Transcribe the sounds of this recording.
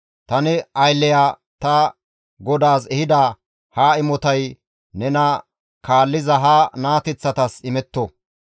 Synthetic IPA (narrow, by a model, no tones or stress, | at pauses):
t̪ɐnɪɐjlːɛjaː | t̪ɐ | ɡɔd̪aːsɛhɪd̪ɐ | haːɪmɔt̪ɐj | nɛnɐ | kaːlːɪzɐɦanaːt̪ɛt͡sːɐt̪ɐsɪmɛt̪ːɔ